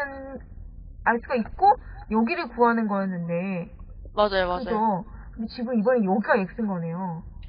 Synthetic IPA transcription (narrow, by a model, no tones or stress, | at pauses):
ɯn | aɭs͈uɡaik̚k͈o | jʌɡiɾɯɭkuɦanɯnɡʌanːɯnde̞ | mad͡ʑajoaɯd͡ʑʰʌkɯndet͡ɕiɡɯmibʌnejʌɡiɡajek̚s͈ɯnɡʌne̞jo